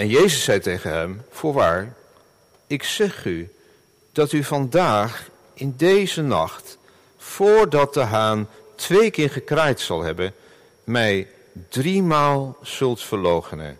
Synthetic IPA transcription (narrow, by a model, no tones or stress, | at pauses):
ɛnjejzəsːɛjtejχənɦɛmv̥ʊːɹʋaːɹ | ɪksɛχy | d̥ɑtyvɑndaːχ | ʔɪndejzənɑ̰χt | fʊːɹdɑt̚dəɦaːn | tʋejkɪːɹχəkraːjtsɑ̰lˠɦɛbən | mɛj | drimaːlˠz̥ɵlˠtfəɹlowχənə̰n